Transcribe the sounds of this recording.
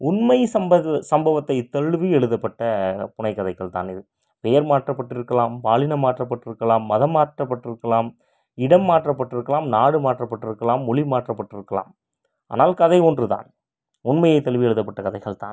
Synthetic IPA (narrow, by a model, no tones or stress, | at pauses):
ʊnmɐɪsɐmɐsɐmbɐʋɐt̪ːɐɪt̪ːɐɻʋiɛɭɯðɐpːɐʈːɐpʊnɐɪkːɐðɐɪɣɐɭt̪a̰ːnɪðɯ | pɛjɐɾmaːʈrɐpːɐʈːɪɾɯkːɐlaːmpaːlɪnɐmaːʈrɐpːɐʈːɪɾɯkːɐlaːmːɐðɐmaːʈrɐpːɐʈːɪɾɯkːɐlaːm | ɪɽɐmːaːʈrɐpːɐʈːɪɾɯkːɐlaːmnaːɽɯmaːʈrɐpːɐʈːɪɾɯkːɐlaːmːʊɭimaːʈrɐpːɐʈːɪɾɯkːɐla̰ːm | a̰ːnaːlkɐðɐɪɔndrɯt̪a̰ːn | ʊnmɐjɐɪt̪ːɐɻʋiɛɭɯðɐpːɐʈːɐkɐðɐɪɣɐɭt̪a̰ːn